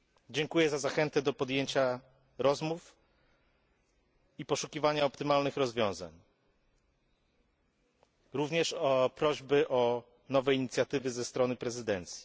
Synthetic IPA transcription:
d͡ʑɛŋkujɛzazaxɛnt̪ɛd̪ɔpɔd̪jeɲt͡ɕa | ɾɔzmuf | ipɔʂukʲivaɲaɔpt̪ɘmalnɘxɾɔzvʲjɔ̃w̃za̰ɲ | ɾuvɲɛʂɔpɾɔʑbɘʔɔ | nɔvɛjiɲit̪sʲjat̪ɘvɘzɛst̪ɾɔnɘpɾɛzɘd̪ɛnt̪sʲji̥

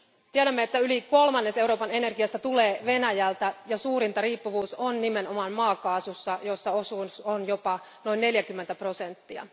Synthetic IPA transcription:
t̪iæɾæmːeet̪ːæyliko̞lmɑnːese̞uɾoːpɑne̞ne̞rɡiɑst̪æt̪uleːʋe̞næjælt̪æjɑsuːrint̪ɑriːpːuʋuːsonnimeno̞mɑnmɑːkɑːsusːɑjo̞sːɑosunsonjopɑ | no̞inːne̞ljækymːent̪æpro̞se̞nt̪ːiɑ̰

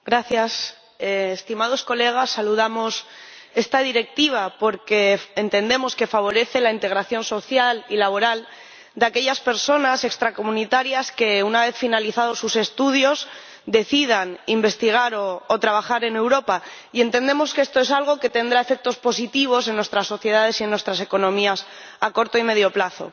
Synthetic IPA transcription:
ɡɾaθjas | eːst̪imaðo̞sko̞le̞ɣ̞asːaluðamo̞se̞st̪að̞iɾe̞k̚t̪iβ̞apo̞ɾke̞ːnt̪e̞nd̪e̞mo̞ske̞faβ̞o̞ɾe̞θe̞laint̪e̞ɣɾaθjo̞nso̞θjalilaβo̞ɾal | d̪eake̞ʎaspe̞ɾso̞nase̞kst̪ɾako̞munit̪aɾjaske̞unaβe̞θfinaliθaðo̞sːuse̞st̪uð̞jo̞z | d̪e̞θið̞animbe̞st̪iɣ̞aɾoːt̪ɾaβaxaɾe̞ne̞wɾo̞pa | ie̞nt̪e̞nd̪e̞mo̞skee̞st̪o̞e̞salɣ̞o̞ke̞t̪e̞nd̪ɾaefe̞k̚t̪o̞spo̞sit̪iβ̞o̞s̬e̞nːwe̞st̪ɾasːo̞θje̞ð̞að̞e̞sie̞nːwe̞st̪ɾase̞ko̞nõ̞mias | ako̞ɾt̪o̞ime̞ðjo̞plaθo̞̰

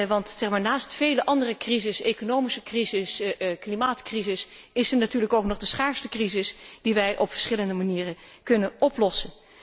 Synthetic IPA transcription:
ʋɑntsɛχmaːɹnaːstfejləʔɑndərəkrizɪsejkonowmisəkrizɪsklimaːtkrizɪs | ɪsəɹnatyːɹləkowknɔχdəsχaːɹstəkrizɪsd̥iʋɛjʔɔpfəɹ̥sχɪləndəmaniːrəkɵnənɔplɔsən

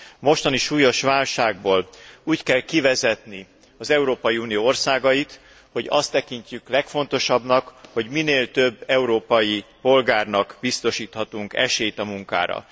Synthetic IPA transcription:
mo̞ʃt̪ɒniʃuːjo̞ʃʋaːlʃaːɡ̚boːluːckɛlkivɛzɛt̪ni | ɒzɛuɾoːpɒjiuːnijoorsaːɡɒjit̪ | ho̞ɟɒ̰st̪ːɛkiɲcyklɛkfo̞n̪t̪o̞ʃɒbnɒkho̞ɟmineːlt̪ø̞bːɛuɾoːpɒjipo̞lɡaːrnɒkbist̪o̞ʃiːt̪hɒt̪uŋkɛ̰ʃeːjt̪ɒmuŋka̰ːɾɒ̰

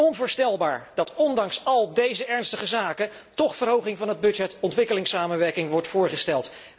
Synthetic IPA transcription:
ɔnvʊːɹstɛlˠbaːɹd̥ɑtɔndɑŋsɑlˠdejzəɛɹnstəχəzaːkə | tɔχfərɦowχɪŋvɑnɦəd̚bɵd͡ʒɛtɔntʋɪkəlɪŋsaːmənʋɛɹkɪŋʋɔɹtfʊːɹχəstɛlˠt

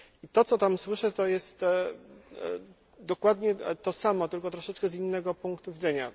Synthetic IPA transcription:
it̪ɔt̪sɔt̪amswɘʂɛt̪ɔjɛst̪ | d̪ɔkwad̪ɲɛt̪ɔsamɔt̪ɘlkɔt̪ɾɔʂɛt͡ʂkɛzinːɛɡɔpuŋkt̪uvʲid̪zɛɲa

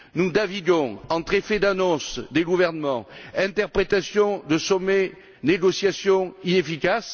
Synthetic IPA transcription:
nud̪aviɡɔ̃ɑ̃t̪χefed̪anɔ̃sd̪eɡuvɛʁnəmɑ̃ɛ̃nt̪ɛʁpχet̪asjɔ̃d̪əsɔme | neɡɔsjasjɔ̃inefikas

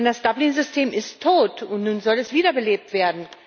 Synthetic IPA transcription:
ndasd̥ablinzʏstʰeːmʔɪstʰːoːtʊntnuːnzɔlɛsv̥iːdɐbəleːp̚tv̥eːɐdn̩

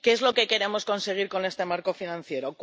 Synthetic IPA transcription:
ke̞ezlo̞ke̞ke̞ɾe̞mo̞sko̞nse̞ɣ̞iɾko̞ne̞st̪e̞maɾko̞finãn̟θje̞ɾok

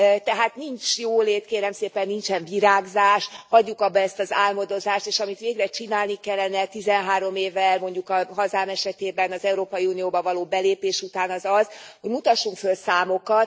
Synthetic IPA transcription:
t̪ɛɦaːt̪nint͡ʃjoːleːt̪keːɾɛmseːpɛnːint͡ʃɛɱviɾaːɡzaːʃhɒɟːukɒbːɛɛst̪ɒzaːlmo̞d̪o̞zaːʃt̪eːʃɒmit̪ʋeːɡrɛt͡ʃinaːlnikɛlːɛnɛt̪izɛnɦaːɾo̞meːvɛlmo̞ɲɟukɒɦɒzaːmɛʃɛt̪eːbɛnɒzɛuɾoːpɒjiunijoːbɒvɒloːbɛleːpeːʃut̪aːnɒzɒz̥ho̞ɟmut̪ɒʃːuŋkfølsaːmo̞kɒt̪

